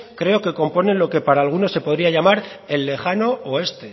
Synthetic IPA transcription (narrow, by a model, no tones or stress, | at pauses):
kɾe̞o̞ke̞ko̞mpo̞ne̞nlo̞ke̞paɾaːlɣ̞uno̞se̞po̞ðɾiaʝamaɾe̞lːe̞xano̞ʔoe̞st̪e